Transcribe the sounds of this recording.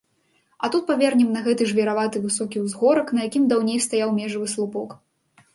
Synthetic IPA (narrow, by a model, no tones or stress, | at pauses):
ɐt̪ut̪̚pavʲɛrnʲɛmnɐɣɛt̪ɨʐvʲɛɾavat̪ɨvɨsɔkʲiwzɣɔɾɐknɐjakʲimd̪awnʲejst̪ajawmʲɛʐɐvɨslˠupɔk